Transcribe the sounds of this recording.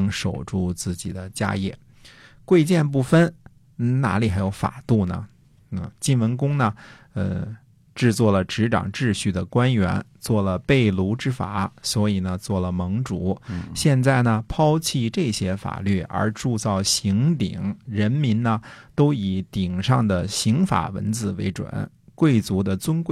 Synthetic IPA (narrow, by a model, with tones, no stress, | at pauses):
ŋʂo˨˩ʊʈ͡ʂu˥˧t͡sɹ̩˥˩t͡ɕḭ˨˩d̪ə˦t͡ɕja̰˥jɛ̰˥˩ | kwe˥˧ɪt͡ɕjɛ˥˧np̬u˥˩fə˥n | n̩˥˩na̰˧˥li˨˩xa˧˥ɪjo˧˥ʊfa̰˨˩t̪u˥˩nə̰˩ | ə˧˩t͡ɕi˥˩nwə˧˥nkʊ˥ŋnə˨ | ə˧ | ʈ͡ʂɻ̩˥˧t͡swɔ˥˩lə˩ʈ͡ʂɻ̩˧˥ʈ͡ʂɑ̰˨˩ŋʈ͡ʂɻ̩˥˧ɕy˥˩d̪ə˩kwa˥nɥɛ̰˧˥n | t͡swɔ˥˩lə˩pe˥˩ɪlu˧˥ʈ͡ʂɻ̩˥fa̰˨˩˦swɔ˧˥i˨˩nə˦t͡swɔ˥˩lə˩mɤ˧˥ŋʈ͡ʂu˧˥ɕjɛ˥˧nt͡sa˥˩ɪnə˩pʰɑ˥ʊt͡ɕʰi˥˧ʈ͡ʂɤ˥˩ɕjɛ˥fa̰˨˩ly˥˩ʔə̰˞˧˥ʈ͡ʂu˥˧t͡sɑ˥˩ʊɕi˧˥ŋt̪ḭ˨˩˦ŋɻə˧˥nmi˧˥nnə˧t̪o˥ʊi˨˩t̪i˨˩ŋʂɑ˥˩ŋd̪ə˩ɕi˧˥ŋfa̰˨˩wə̰˧˥nt͡sɹ̩˥˩we˧˥ɪʈ͡ʂwə̰˨˩˦n | kwe˥˩ɪt͡su˧˥d̪ə˧t͡swə˥nkwe˥˩